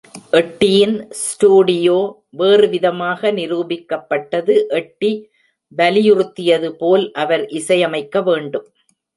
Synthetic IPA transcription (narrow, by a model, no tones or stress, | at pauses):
ʔɛʈːɪjɪnsʈuːɽɪjoː | ʋeːrɯʋɪðɐmaːɣɐnɪɾuːbɪkːɐpːɐʈːɐðɯʔɛʈːi | bɐlɪjʊrɯt̪ːɪjɐðɯpoːlʔɐʋɐɾʔɪsɐjɐmɐɪkːɐʋeːɳɖɯm